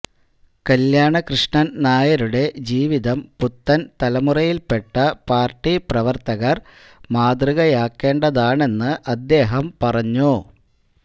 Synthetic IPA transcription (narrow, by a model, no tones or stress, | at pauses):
kɐljaːɳɐkrɨʂɳɐnnaːjɐɾuɽe̞d͡ʑiːʋiðɐmput̪ːɐnt̪ɐlɐmurɐjilpe̞ʈːɐpaːrʈːiprɐʋɐrt̪ɐɣɐr | maːd̪rɨɣɐjaːkːe̞ːɳɖɐðaːɳe̞nːɨʔɐd̪ːe̞ːɦɐmpɐrɐɲːu